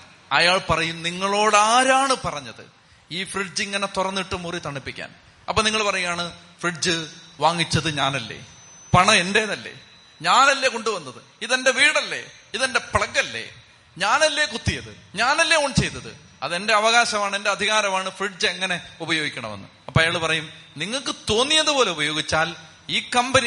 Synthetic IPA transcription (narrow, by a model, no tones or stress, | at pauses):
ɐ̰jaːɭpɐrɐjumniŋːɐɭo̞ːɽaːɾaːɳɨpɐrɐɲːɐðɨ̰ | iːfriɖd͡ʑiŋːɐne̞t̪urɐnːiʈːɨmurit̪ɐɳːipːikʲːa̰ːn | ɐpːoːniŋːɐɭpɐrɐjujaːɳɨ | friɖd͡ʑɨʋaːŋːit͡ɕːɐðɨɲaːnɐlːe̞̰ | pɐɳɐe̞nde̞ːðɐlːe̞̰ː | ɲaːnɐlːe̞ko̞ɳɖuʋɐnːɐðɨ | iðe̞ndeʋiːɽɐlːe̞̰ | iðende̞pɭɐkːɐlːḛ | ɲaːnɐlːe̞ːkut̪ːijɐðɨ̰ɲaːnɐlːe̞oɳɖt͡ɕe̞jt̪ːɐðɨ̰ | ɐðe̞nde̞ɐʋɐɣaːɕɐmaːɳe̞nde̞ɐd̪ʱiɣaːɾɐmaːɳɨfriɖ̚d͡ʑɨeŋːɐne̞ubɐjo̞ːɡikʲːɐɳɐ̰menːṵɐpːoːɐjaːɭpɐrɐjumniŋːɐɭkɨt̪o̞ːnːijɐðɨpo̞ːle̞ubɐjo̞ːɡit͡ɕːaːl | iːkːɐmbɐni